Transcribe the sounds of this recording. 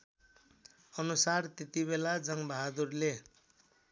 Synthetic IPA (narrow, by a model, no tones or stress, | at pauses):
ʌnusart̪et̪ibelad͡zʌŋbʱaɦad̪urle